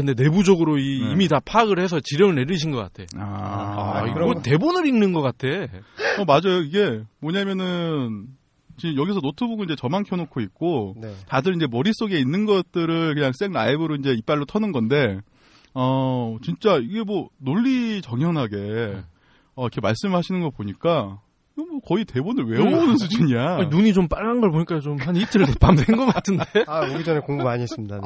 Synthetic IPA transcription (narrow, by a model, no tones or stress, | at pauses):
kɯnde̞ne̞bud͡ʑʌɡɯɾoiːmitapʰaɡɯɭhe̞sʰʌt͡ɕiɾjʌŋɯɭne̞ɾiɕʰinɡʌk͈a̰tʰe̞a | iɡote̞bonɯɾinnɯnɡʌk͈atʰe̞ʌmad͡ʑajoiɡe̞mʌɲamjʌnɯn | t͡ɕijʌɡisʰʌnotʰɯbuɡoiɲd͡ʑe̞t͡ɕʌmankʰjʌnokʰoik̚k͈otadɯɾind͡ʑe̞mʌɾis͈oɡe̞inːɯnɡʌt̚t͈ɯɾɯɭkɯɲaŋs͈e̞ŋnaibɯɾoind͡ʑe̞ip͈aɭːotʰʌnɯnɡʌnde̞ | ʌt͡ɕint͡ɕ͈aiɡe̞mwʌnoʎːit͡ɕʌŋɦjʌnɦaɡe̞ | ʌikʰe̞maɭs͈ɯmɯɭɦhaɕʰinɯnɡʌɭpoɲik͈a | iɡemwʌkʌite̞bonɯɭwe̞bonɯnsʰud͡ʑɯɲianuɲit͡ɕomp͈aɭːannɡʌɭp̬oɲik͈ajot͡ɕomɦanit͈ɯɭtopamdenɡʌk͈atʰɯnddeaoɡid͡ʑʌnekoŋɡomaɲiɦes͈ɯmɲidan